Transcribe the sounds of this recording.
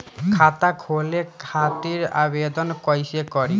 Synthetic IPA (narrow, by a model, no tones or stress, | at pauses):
kʰat̪akʰolekʰat̪iɾa̰bed̪ɔnkɔjsekɔɾi